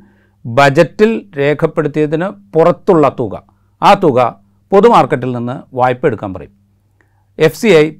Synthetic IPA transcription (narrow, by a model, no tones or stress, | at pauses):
bɐd͡ʑɐtːilɾe̞ːkʰɐpːe̞ɽut̪ːijɐðinɨpurɐt̪ːuɭːɐt̪uɣɐ̰ | aːt̪uɣɐ | po̞ðumaːrkɐʈ̬ːilninːɨʋaːjpːe̞ɽukːaːnpɐrɐ̰jum | e̞fsiɐj